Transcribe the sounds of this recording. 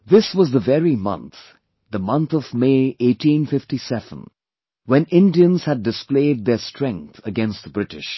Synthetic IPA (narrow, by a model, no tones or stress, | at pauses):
ðɪswʌzðəvɛɹimʌ̰̃nt̪ | ðəmʌ̃nt̪ɔvmeɪʔeɪʈĩnfɪftisɛvə̰̃n | wɛ̃nʔɪ̃ndiə̃nz̥hɨd̚ɨspleɪd̪̚ðɛstɹ̥ɛ̃ŋk̚θʰəɡɛ̃nstbɹɪtɪ̰ʃ